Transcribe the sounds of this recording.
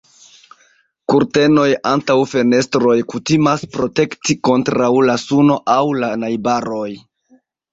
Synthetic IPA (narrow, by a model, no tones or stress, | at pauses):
kuɾte̞no̞jantawfe̞ne̞stɾo̞jkutimaspɾo̞te̞ktiko̞ntɾawlasuno̞ʔawlanajbaɾo̞j